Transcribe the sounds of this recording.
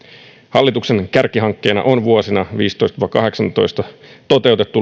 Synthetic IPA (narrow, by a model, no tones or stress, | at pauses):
hɑlːit̪ukse̞ŋkærkiɦɑŋkːe̞ːnɑ̰ʔonʋuosinɑʋiːst̪o̞jst̪ɑʋɑkɑɦe̞ksɑnt̪o̞̰jst̪ɑt̪ot̪e̞wt̪e̞t̪ːu